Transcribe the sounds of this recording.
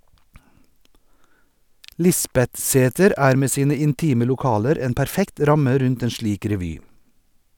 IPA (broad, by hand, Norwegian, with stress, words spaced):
ˈlɪsbɛtˌseːtəɾ ˈæːɾ ˈmeː ˈsiːnə ɪnˈtiːmə lʊˈkɑːləɾ ˈeːn pæɾˈfɛkt ˈɾɑmə ˈɾʉnt ˈeːn ˈʃliːk ɾɛˈʋyː